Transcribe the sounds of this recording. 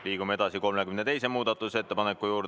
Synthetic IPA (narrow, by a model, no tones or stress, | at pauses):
liːɡ̥umee̞d̪̥ɑsiko̞lmekymnet̪e̞jse̞muːd̪̥ɑt̪ːˑuse̞t̪ːe̞pɑnekːˑujuːɾd̪